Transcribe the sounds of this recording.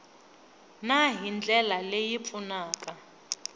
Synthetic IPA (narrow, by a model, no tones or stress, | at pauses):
naɦind͡ɮʱɛlalejip̪funaːkʼa